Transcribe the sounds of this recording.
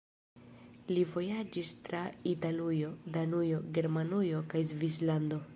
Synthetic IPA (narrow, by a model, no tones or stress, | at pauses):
livo̞jad͡ʒistɾaitalujo̞danujo̞ɡe̞ɾmanujo̞kajzvislando̞